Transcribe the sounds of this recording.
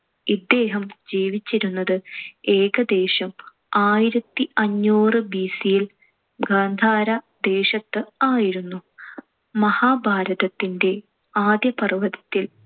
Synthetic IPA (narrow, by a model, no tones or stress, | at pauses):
id̪ːe̞ːɦɐmd͡ʑiːʋit͡ɕːiɾunːɐðɨe̞ːɡɐd̪e̞ːɕɐm | aːjiɾɐt̪ːiɐɲːuːrɨbiːsijil | ɡaːnd̪ʱaːɾɐ | d̪e̞ːɕɐt̪ːɨaːjiɾunːu | mɐhaːbʱaːɾɐðɐt̪ːinde̞ | aːd̪jɐpɐriʋɐðit̪ːil